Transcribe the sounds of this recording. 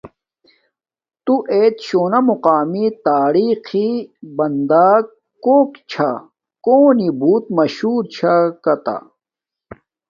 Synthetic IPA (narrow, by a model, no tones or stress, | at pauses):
t̪uʔeːt̪ɕoːnɐmuqaːmit̪aːɾiːxibɐnd̪aːk | koːkt͡ɕʰa | koːnibuːt̪̚mɐɕuːɾt͡ɕʰakɐt̪a̰